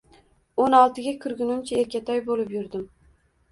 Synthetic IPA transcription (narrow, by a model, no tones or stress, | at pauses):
onɒlˠt̪ʰɪɡʲakʰʊɾɡʲʊnʊmt͡ʃʰaeɾkʲat̪ʰɒjbolɪpjʊɾd̪ɪm